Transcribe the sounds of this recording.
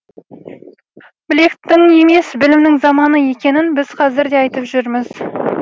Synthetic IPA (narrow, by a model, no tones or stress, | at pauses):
bɪle̞kt̪ːɪŋe̞me̞sbɪlɪmnɪŋzɑmɑnəje̞kʲe̞nɪnbɪz̥qʰɑzɪɾd̪e̞ɑjt̪əpʒʏɾmɪz̥